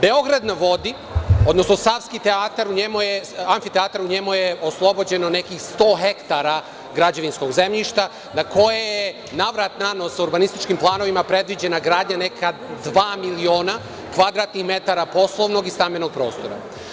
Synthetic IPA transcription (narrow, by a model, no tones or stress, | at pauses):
be̞o̞ɡɾad̪naʋo̞d̪i | o̞d̪nosno̞saʋskit̪eaːt̪aɾuɲemujeaɱfit̪eaːt̪aɾuɲe̞mujeʔo̞slˠo̞bod͡ʑe̞none̞kixst̪o̞ːɦe̞kt̪aɾa | ɡɾad͡ʑeʋinsko̞ɡze̞mʎiʃt̪a | nako̞jeje | naʋɾat̪nanosuɾbanist̪it͡ʃkimplˠaːno̞ʋimapɾe̞d̪ʋid͡ʑe̞naɡɾaːd̪ɲane̞kʰad̪ʋaːmilio̞ːna | kʋad̪ɾaːt̪nixme̞t̪aɾapo̞slˠoʋno̞ɡist̪ameno̞ɡ̚pɾo̞ːst̪o̞ɾa̰